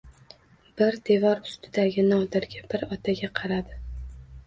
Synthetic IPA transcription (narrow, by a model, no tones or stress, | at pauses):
b̥ɪɾd̪e̞vɒɾʊst̪ʰɪd̪aɡʲɪnɒd̪ɪɾɡʲabɪɾɒt̪ʰaɡʲaqʰɑɾad̪ɪ